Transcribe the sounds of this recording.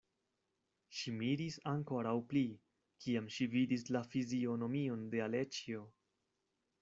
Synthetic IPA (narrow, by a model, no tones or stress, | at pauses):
ʃimiɾisaŋko̞ɾawpli | kʰiamʃividislafizio̞no̞mio̞nde̞ale̞t͡ʃio̞